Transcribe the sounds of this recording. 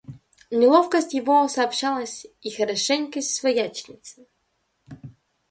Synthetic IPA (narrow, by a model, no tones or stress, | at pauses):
nʲɪlˠofkəsʲtʲjɪvosɐːpɕalˠəsʲixəɾɐʂɛnʲkəsʲsvɐjat͡ɕɪnʲɪt̪sɨ